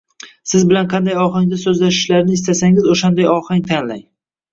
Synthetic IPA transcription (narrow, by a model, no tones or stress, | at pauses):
sɪzbɪlanqʰɑnd̪ajɒχɪŋd̪asɵzlaʃɪ̥ʃlaɾnɪɪst̪asaŋɪzoʃand̪ajɒhɪŋt̪ʰanlaj